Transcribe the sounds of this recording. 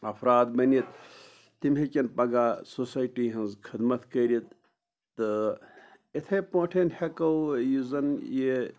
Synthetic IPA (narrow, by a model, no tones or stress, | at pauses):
ɐpʰɾaːd̪bɐnit̪̚ː | imɦekʲɐnpɐɡaːsosaːjʈiɦɐnzkʰid̪mɐt̪kɐɾit̪̚ | t̪ɨ | et̪ʰepɐ̃ːʈʰenhekɐwjuzɐnje